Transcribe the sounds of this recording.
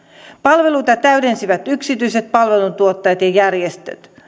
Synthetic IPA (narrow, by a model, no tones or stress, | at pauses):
pɑlʋe̞lujt̪ɑt̪æɥde̞nsiʋæt̪yksit̪yise̞t̪̚pɑlʋe̞lut̪uot̪ːɑjɑt̪jɑjærjest̪ø̰t̪